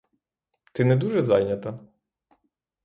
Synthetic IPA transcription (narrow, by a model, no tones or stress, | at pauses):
t̪ɪnɛd̪uʒɛzɑjnʲɐt̪ɐ